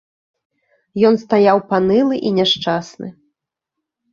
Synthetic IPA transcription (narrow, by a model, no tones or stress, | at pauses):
jɔnst̪ajawpanɨlˠɨʔinʲɛʂt͡ʂasnɨ̰